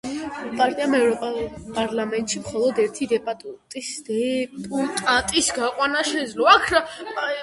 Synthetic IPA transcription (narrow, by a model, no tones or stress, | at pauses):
pʼaɾt̪ʼiamɛvɾɔpʼapʼaɾlamɛnt̪ʼʃimχɔlˠɔd̪ɛɾt̪ʰid̪ɛpʼat̪ʼt̪ʼisd̪ɛpʼut̪ʼat̪ʼisɡaqʼwanaʃɛd̪zlɔakʰɾa